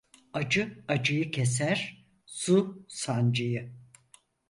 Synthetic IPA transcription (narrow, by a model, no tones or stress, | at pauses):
ad͡ʒɯad͡ʒɯjɯcʰes̬æɾ̥ | susand͡ʒɯjɯ